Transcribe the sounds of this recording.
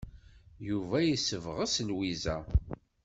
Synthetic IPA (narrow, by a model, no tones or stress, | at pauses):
juvæjisəvʁəsənwizæ̰